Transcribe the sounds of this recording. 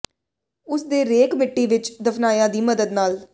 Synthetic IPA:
ʊsd̪eːɾeːkmɪʈːiːʋɪt͡ʃd̪əpʰnaːjãːd̪iːməd̪əd̪naːl

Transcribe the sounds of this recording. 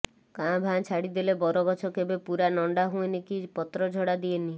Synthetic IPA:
kãbʱãt͡ʃʰaɽid̪ilebɔɾɔɡɔt͡ʃʰɔkebepuɾanɔɳɖaɦũenikipɔt̪ɾɔd͡ʒʱɔɽad̪ieni

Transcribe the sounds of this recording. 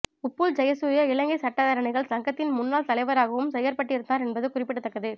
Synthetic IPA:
ʊpːuld͡ʒɐjɐsʊjɐɪɭɐŋɡɐɪsɐʈːaːðaːɾɐɳɐɪɣɐɭsɐŋɡɐt̪ːɪnmʊnːaːlt̪ɐlɐɪʋɐɾaːɣɐʋɯmsɛjɐɾpɐʈːɪɾɯnd̪aːɾɛnbɐðɯkʊrɪpːɪʈːɯt̪ːɐkːɐðɯ

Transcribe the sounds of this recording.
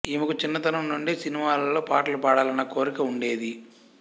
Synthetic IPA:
imɐkut͡ʃinːɐt̪ɐnɐmnuɳɖisinimaːlɐlːo̞ːpaːʈɐlupaːɽaːlɐnɐko̞ːɾikɐuɳɖe̞ːd̪i

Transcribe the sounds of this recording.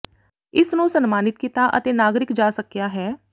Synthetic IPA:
ɪsnũsənmaːnɪt̪̚kit̪aʔə̰t̪eːnaːɡɾɪkd͡ʒaːsəkjaɦɛː

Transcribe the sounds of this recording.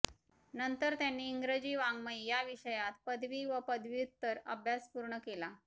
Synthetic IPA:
nənt̪əɾt̪janːiːŋɡɾəd͡ʑiːʋaŋɡməjjaʋiɕəjat̪̚pəd̪ʱʋiːʋəpəd̪ʱʋiut̪ːəɾə̰bʱjaspuɾɳəkela

